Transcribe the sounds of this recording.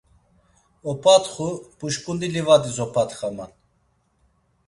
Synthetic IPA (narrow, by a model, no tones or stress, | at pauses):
ɔpʰat̪χupuʃkʼund̪ilivad̪izɔpʰat̪χaman